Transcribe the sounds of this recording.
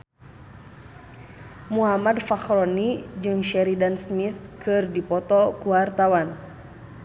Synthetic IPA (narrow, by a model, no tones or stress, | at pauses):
muɦamadfaxɾɔnid͡ʒɨŋʃɛɾidansmit̪kʰɨrdipɔt̪ɔkuwart̪awan